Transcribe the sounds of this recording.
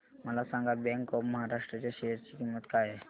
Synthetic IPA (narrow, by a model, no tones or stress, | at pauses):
məlasãŋɡabɛ̃ŋkɔɾməɦaɾaʂʈɾət͡ɕaʃeɦəɾt͡ɕikimːət̪kaɦe